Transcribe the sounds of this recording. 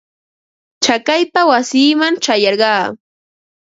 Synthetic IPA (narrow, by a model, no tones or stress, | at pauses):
t͡ʃakajt̪awasiːmant͡ʃajɑɾɢɑː